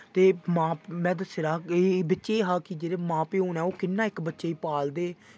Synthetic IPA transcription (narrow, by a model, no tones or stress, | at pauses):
t̪eːmãːmɛ̃ːd̪əseːɾaːeːbətːʃeːɦaːkid͡ʒeːɾeːmãːpeːoːnɛːoːkɪnːaːɪkbətːʃeːiːpaːld̪eː